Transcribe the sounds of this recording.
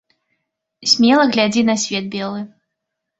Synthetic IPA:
sʲmʲɛlˠɐɣlʲad͡zʲinɐsʲvʲɛd̪̚bʲɛlˠɨ

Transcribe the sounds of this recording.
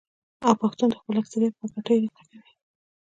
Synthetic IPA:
awpaxt̪und̪əxpəlaksaɾepəkaʈəjɾit̪akawi

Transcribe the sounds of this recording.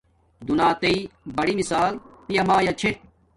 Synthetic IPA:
d̪unaːt̪ɐibɐɽimisaːlpijɐmaːjat͡ɕʰeʈ̚

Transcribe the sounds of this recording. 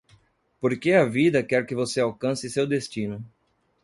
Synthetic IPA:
poɾkeɐvid̪ɐkɛɾkɪvoseawkɐ̃sɪsewd̪est͡ʃĩnʊ

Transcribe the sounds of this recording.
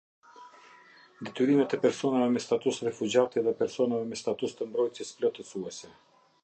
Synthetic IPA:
d̪ɛt̪yɾimɛt̪ɛpɛɾsɔnavɛmɛst̪at̪usɾɛfud͡ʒat̪iɛðɛpɛɾsɔnavɛmɛst̪at̪ust̪əmbɾɔjt̪jɛsplɔt̪ɛsuɛsɛ

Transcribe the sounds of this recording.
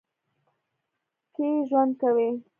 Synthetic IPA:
keʒwand̪̚kawi

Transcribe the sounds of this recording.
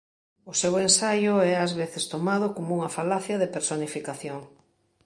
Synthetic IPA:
ʊsewensajʊɛazβeθest̪omað̞ʊkomuŋafalaθjɐðepeɾsonifikaθjoŋ

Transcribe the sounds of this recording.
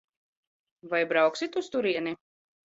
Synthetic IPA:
vajbɾawksit̪ust̪uɾiɛni

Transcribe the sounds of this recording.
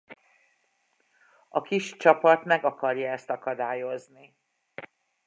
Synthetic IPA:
ɒkiʃt͡ʃɒpɒt̪mɛɡɒkɒrjɒɛst̪ɒkɒd̪aːjo̞zni

